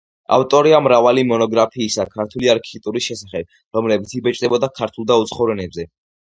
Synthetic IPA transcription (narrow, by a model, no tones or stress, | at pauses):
a̰ft̪ʼɔɾiamɾavalimɔnɔɡɾapʰiːsakʰaɾt̪ʰuliaɾkʰit̪ʼuɾisʃɛsaχɛb̚ | ɾɔmlɛbit̪sʰibɛt͡ʃʼd̪ɛbɔd̪akʰaɾt̪ʰulˠd̪aut̪sʰχɔvɾɛnɛbzɛ